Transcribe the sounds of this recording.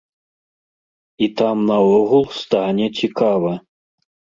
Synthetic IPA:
it̪amnɐɔɣulˠst̪anʲɛt͡sʲikavɐ

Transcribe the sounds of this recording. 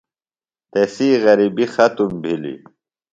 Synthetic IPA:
t̪esiːɣɐɾibixɐt̪umbʱilḭ

